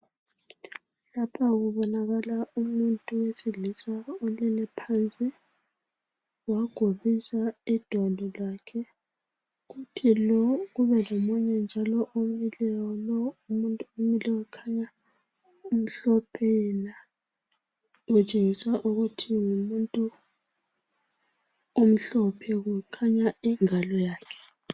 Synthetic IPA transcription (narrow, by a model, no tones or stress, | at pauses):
lapʰaɣuβɔnaɣalaumuntʼuwesiɮisaolinɛpʰant͡sʼi | waɡ̥ʱoβisaid̥ʱɔlʱɔlaːkʰɛ | ɣutʰilɔɣuβɛlomuɲɛnd͡ʒʱalɔʔumilɛwɔlɔumuntʼuomilɛwɛkʰaɲa | um̩ɬɔpʰɛna | ɣut͡ʃʼeŋisaʔuɣutʰiŋumuntʼu | um̩ɬɔpʰɛɣukʰaɲaiŋalɔjaːkʰɛ̥